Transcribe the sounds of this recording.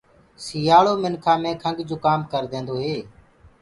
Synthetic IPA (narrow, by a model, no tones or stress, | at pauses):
siːjaːɭoːmɪnkʰãːmẽːkʰəŋɡd͡ʒoːkaːmkəɾd̪ẽːnd̪oːɦeː